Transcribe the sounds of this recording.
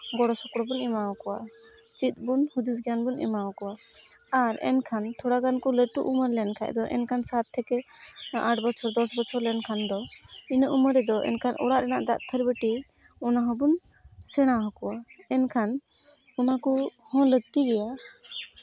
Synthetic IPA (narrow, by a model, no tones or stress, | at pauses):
ɡɔɽɔsɔkɽɔbunɛmawkɔwa | t͡ʃit̪̚ˀbunhud̪isɡjanbunɛ̰mawkɔwaaɾɛ̰nkʰant̪ʰɔɽaɡankɔləʈuʔuməɾlɛnkʰa̰ʔd̪ɔʔɛ̰nkʰansat̪ʰːɛkɛaʈbɔt͡ʃʰɔɾd̪ɔsbɔt͡ʃʰɔɾlɛnkʰand̪ɔinəʔuməɾɛd̪ɔʔɛ̰nkʰanʔɔ̰ɽaʔɾɛnaʔd̪a̰ʔt̪ʰəɾbəʈi | ɔnaɦɔ̃bun | sɛɽ̃aɦɔ̃kɔwaɛnkʰan | unakuhɔ̃ləɡ̚t̪iɡɛja